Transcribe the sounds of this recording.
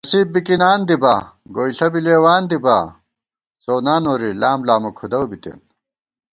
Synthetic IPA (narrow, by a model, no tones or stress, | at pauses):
ɐsibbikinaːnd̪ibaɡoːjɬɐbileːwaːnd̪iba̰ | soːnaːnoːɾilaːmlaːmokʰud̪ɐwbit̪ḛn